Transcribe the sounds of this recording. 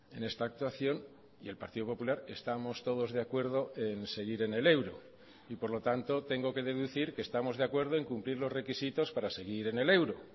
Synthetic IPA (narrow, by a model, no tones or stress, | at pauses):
e̞ne̞st̪aːk̚t̪waθjo̞n | ie̞lpaɾt̪iðo̞po̞pulaɾe̞st̪amo̞st̪o̞ð̞o̞zðe̞akwe̞ɾðo̞ʔe̞nse̞ɣ̞iɾe̞ne̞le̞wɾo̞̰ | ipoɾlo̞t̪ant̪o̞t̪e̞ŋɡo̞ke̞ðe̞ðuθiɾkeːst̪amo̞zðeakwe̞ɾð̞o̞e̞ŋkumpliɾlo̞zre̞kisit̪o̞spaɾase̞ɣ̞iɾe̞ne̞le̞wɾo̞